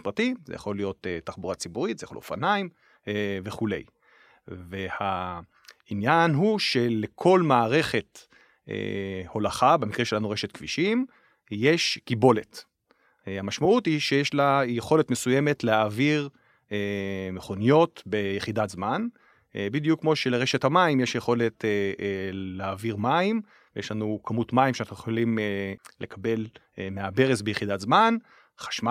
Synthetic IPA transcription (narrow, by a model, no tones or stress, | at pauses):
pʁatimzḛja̰χo̞lijo̞t̪etaχbuʁat͡sibuʁit̪zejaχoljo̰fanaim | veχule̞̰j | ve̞ha | injanɦuʃe̞lekʰo̞lmaːʁe̞χe̞t̪ | ḛho̞laχabemikʁeʃelanuʁeʃet̪kv̥iʃim | jeʃkibo̞let | hamaʃmaʔutiʃejeʃlajeχo̞le̞t̪mesujeme̞tleaviʁ | emeχo̞nijo̞tbejeχidatzman | bid̪jukːmo̞ʃeleʁeʃethamaimjeʃjeχo̞le̞te | leaviʁmaim | vejeʃlanukʰamutmaimʃeanaχnujeχolimlekʰabe̞lmeabe̞ʁesbejeχidatzman | χḁʃma